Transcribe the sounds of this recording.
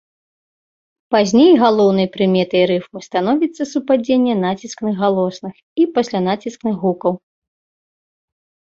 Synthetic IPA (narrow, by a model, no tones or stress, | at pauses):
pazʲnʲejɣalˠɔwnɐjpɾɨmʲɛt̪ɐjɾɨfmɨst̪an̪ɔvʲit̪sːɐsupad͡zʲenʲːɛn̪at͡sʲisknɨɣːalˠɔsnɨx | ipasʲlʲan̪at͡sʲisknɨɣɣukɐw